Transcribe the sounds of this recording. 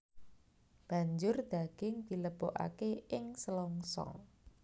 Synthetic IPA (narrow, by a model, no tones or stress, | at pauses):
b̥ä̤ɲd͡ʒʊrd̪̥aɡ̥ɪŋd̪̥i̤ləb̥oʔa̰keɪŋsəlɔŋsɔ̰ŋ